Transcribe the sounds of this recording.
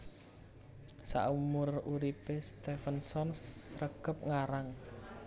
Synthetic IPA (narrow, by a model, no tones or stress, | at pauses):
sa̰ʔumʊruɾipest̪efənsɔnsrəɡ̥əp̚ŋaɾaŋ